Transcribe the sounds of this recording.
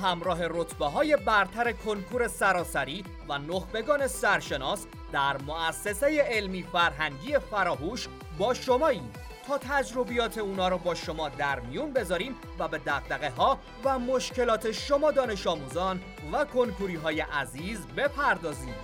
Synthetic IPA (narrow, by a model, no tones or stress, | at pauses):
ɦæmɾɒːɦe̞rot̪ʰbeɦɒːje̞bæɾt̪ʰæɾe̞kʰoŋkʰuːɾe̞sæɾɒːsæɾiː | vænoxbe̞ɡɒːne̞sæɾʃe̞nɒːs | d̪æɾmoæsːe̞se̞jeelmiːfæɾɦæŋɟiːe̞fæɾɒːɦuːʃ | bɒːʃo̞mɒːiːm | t̪ʰɒːt̪ʰæd͡ʒɾo̞bijɒːt̪ʰe̞uːnɒːɾɔːbɒːʃo̞mɒːd̪æɾmijunbe̞zɒːɾiːm | væbe̞d̪æɣd̪æɣe̞ɦɒː | væmoʃcʰe̞lɒːt̪ʰe̞ʃo̞mɒːd̪ɒːne̞ʃɒːmuːzɒːn | vækʰo̞ŋkʰuɾiːɦɒːje̞ʔæziːzbe̞pʰæɾd̪ɒːziːm